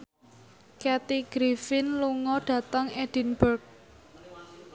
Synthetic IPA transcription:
kɛt̪iɡ̥ɾifɪnluŋɔɖ̥ä̤t̪əŋɛd̥i̤nbərk̚

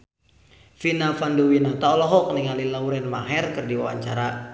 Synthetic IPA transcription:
finafanduwinat̪aɔlɔɦɔk̚niŋalilauɾɛnmaɦɛrkɨrdiwawa̰ɲt͡ʃaɾa

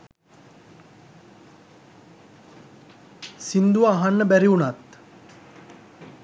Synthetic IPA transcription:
sind̪uʋaːɦanːəbæɾiunat̪

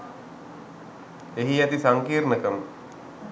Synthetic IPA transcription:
eɦiat̪isaŋkiːɾməkəm

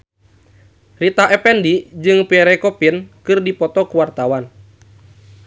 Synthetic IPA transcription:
rit̪aʔɛpɛndid͡ʒɨŋpiɛɾɛkɔpinkɨrdipɔt̪ɔkuwart̪awan

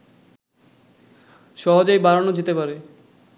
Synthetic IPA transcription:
ʃɔɦod͡ʑajbaɾonod͡ʑet̪epaɾe

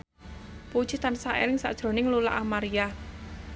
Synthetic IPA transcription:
pu̥ʒ̥i̤t̪ansaʔḛɾɪŋsa̰ʔd̥ʒ̥ɾo̤nɪŋlula̰ʔamaɾia

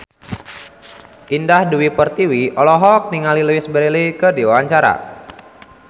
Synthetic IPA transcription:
ʔindahduwipərt̪iwiɔlɔɦɔk̚niŋalilwisbəɾelikərdiwawaɲt͡ʃaɾa̰

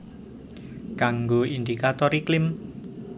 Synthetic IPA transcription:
kaŋɡoind̪ikat̪ɔɾiklɪm

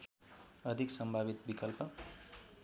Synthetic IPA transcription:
ʌd̪ʱiksʌmbʱabit̪bikʌlpʌ

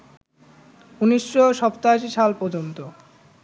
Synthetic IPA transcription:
uniʃːoʃɔpt̪aʃ̬iʃalpɔd͡ʑont̪o

